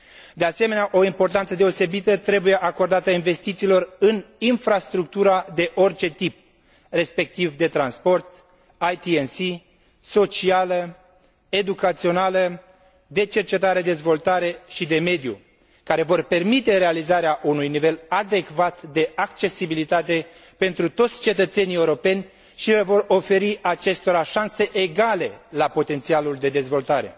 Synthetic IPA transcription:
d̪e̞ase̞me̞neaʔo̞impo̞rt̪ant̪səd̪e̞o̞se̞bit̪ət̪ɾe̞buje̞ʔako̞rd̪at̪əinve̞st̪it̪siːlo̞rɨninfɾast̪ɾuk̚t̪uɾad̪e̞ʔo̞rt͡ʃe̞t̪ip̚ | re̞spe̞k̚t̪ivd̪e̞t̪ɾanspo̞rt̪ | ajt̪iensi | so̞t͡ʃialə | e̞d̪ukat̪sio̞nalə | d̪e̞t͡ʃe̞rt͡ʃe̞t̪aɾe̞d̪e̞zvo̞lt̪aɾe̞ʃid̪e̞me̞d̪jṵ | kaɾe̞vo̞rpe̞rmit̪e̞ɾe̞alizaɾeaʔunujnive̞lad̪e̞kvat̪d̪e̞ʔakt͡ʃe̞sibilit̪at̪e̞ | pe̞nt̪ɾut̪o̞t̪sʲt͡ʃe̞t̪ət̪se̞nieuɾo̞pe̞nʲ | ʃilevo̞ro̞fe̞ɾiʔat͡ʃe̞st̪o̞ɾaʃanse̞ʔeɡale̞lapo̞t̪e̞nt̪sialuld̪e̞d̪e̞zvo̞lt̪aɾe̞̰

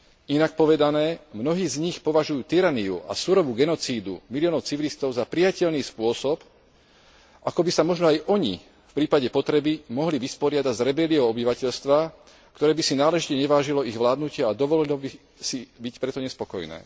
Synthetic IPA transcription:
inak̚pɔʋɛd̪anɛːmnɔɦiːzɲixpɔʋaʒujuːt̪iɾaniṵʔa̰suɾɔʋuɡɛnɔt͡siːd̪ṵmilijɔːnɔʊt͡siʋilist̪ɔʊzapɾijacɛʎniːspʊɔsɔp | ʔakɔbisamɔʒnɔajʔɔɲḭ | fpɾiːpaɟɛpɔt̪ɾɛbimɔɦliʋispɔɾɪad̪aɟzɾɛbɛliɔɔbiʋacɛʎst̪ʋa | kt̪ɔɾɛːbisinaːlɛʒicɛɲɛʋaːʒilɔiɣʋlaːd̪nucɪɛad̪ɔʋɔlilɔbi | sibicpɾɛt̪ɔɲɛspɔkɔ̰jnɛ̰ː

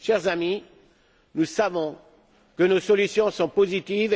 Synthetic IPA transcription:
ʃɛʁzami | nusavɔ̃ | kənosɔlysjɔ̃sɔ̃pozit̪iv

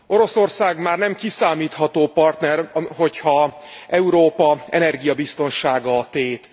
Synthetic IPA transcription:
o̞ɾo̞so̞rsaːɡmaːrnɛmkisaːmiːt̪hɒt̪oːpɒrt̪nɛrɒɦo̞chɒɛuɾoːpɒɛ̰nɛrɡijɒbist̪o̞nʃaːɡɒːt̪eːt̪

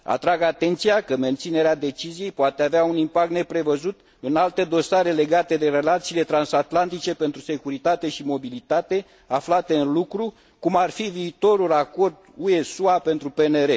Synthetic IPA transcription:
a̰t̪ɾaɡat̪e̞nt̪sijakəme̞nt̪sine̞ɾead̪e̞t͡ʃizije̞jpoat̪e̞aveaunimpak̚t̪ne̞pɾe̞vəzut̪ | ɨnalt̪e̞d̪o̞saɾe̞le̞ɡat̪e̞d̪e̞ɾe̞lat̪siːle̞t̪ɾansat̪lant̪it͡ʃe̞pe̞nt̪ɾuse̞kuɾit̪at̪e̞ʃimo̞bilit̪at̪e̞ | aflat̪e̞ɨnlukɾu | kumarfiviːt̪o̞ɾulako̞rd̪ue̞suape̞nt̪ɾupe̞neɾe̞

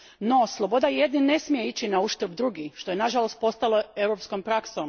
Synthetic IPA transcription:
no̞slˠobo̞d̪ajje̞d̪ninːe̞smije̞it͡ɕinauʃt̪ɾbd̪ɾuɡiʃt̪ojenaʒalˠo̞st̪̚po̞st̪alˠoe̞wɾopskompɾaksom

